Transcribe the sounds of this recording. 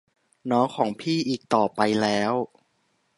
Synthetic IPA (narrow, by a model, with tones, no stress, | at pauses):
nɔː˦˥ŋkʰɔː˩˦ŋpʰiː˥˩ʔiː˨˩k̚t̪ɔː˨˩pa˧jlɛː˦˥w